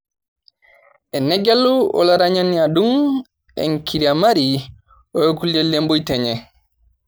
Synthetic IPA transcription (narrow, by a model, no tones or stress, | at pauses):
ʔɛnɛɡɛlːuɔ̰laɾaɲaniadun | ɛ̰ŋkʰiɾiamaɾi | ɔjokuld͡ʒɛlːembojtɛɲɛ